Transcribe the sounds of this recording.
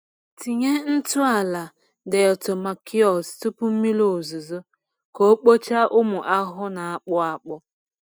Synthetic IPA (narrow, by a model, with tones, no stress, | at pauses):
ti˨ɲe˦n̩˦tʊ˦a˨la˨ | de˨ɔ˨to˨ma˨ki˦ɔ˨stʊ˦pʊ˦m̩˦mi˦lo˦˨zu˨zo˦ | ko˨˦k͡po˦t͡ʃa˦ʔʊ˦mʊ˨ʔa˦ɦʊ˦na˨a˨k͡pʊ˦a˨k͡pʊ˦